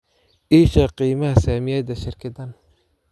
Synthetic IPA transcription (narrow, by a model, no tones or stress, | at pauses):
ʔiːʃɐqiːmɐhɐsaːmɪjɛːd̪ɐʃɪrkʰɐd̪ɐn